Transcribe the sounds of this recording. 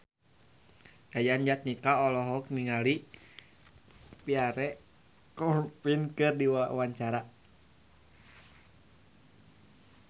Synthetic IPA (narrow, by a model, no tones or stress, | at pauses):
jajand͡ʒat̪̚nikaɔlɔɦɔkniŋali | piaɾɛ | kɔpinkɨrdiwawaɲt͡ʃaɾa